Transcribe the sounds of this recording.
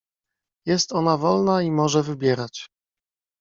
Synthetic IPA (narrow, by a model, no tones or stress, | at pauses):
jɛst̪ɔnavɔlnaimɔʐɛvɘbʲjɛɾat͡ɕ